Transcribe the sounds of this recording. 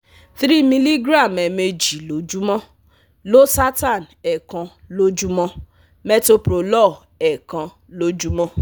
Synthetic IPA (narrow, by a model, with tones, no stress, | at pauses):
θɾi˦˨mĩ˧li˦ɡɾa˦˨mɛ˨me˧d͡ʒi˨lo˨˦d͡ʒu˦mɔ̃˦ | lo˦sa˦ta˦˨n | ɛ˨kã˧lo˦d͡ʒu˦mɔ̃˦ | mɛ˦to˧˦pɾo˨˧lɔ˦˨ | ɛ˨kã˧ | lo˦d͡ʒu˦mɔ̃˦